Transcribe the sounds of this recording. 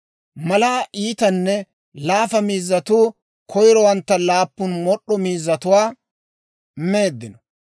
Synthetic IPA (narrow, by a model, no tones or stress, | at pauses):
mɐlaːʔiːt̪ɐnːɛ | laːfɐmiːzːɐt̪uː | kʰɔjɾɔwɐnt̪ːɐlaːpːʊnmɔɗːɔmiːzːɐt̪ʊwaː | me̞ːd̪ːɪnɔ